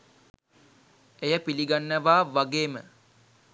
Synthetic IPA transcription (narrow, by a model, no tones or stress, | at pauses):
ejəpiliɡanːəʋaːʋaɡeːmə̰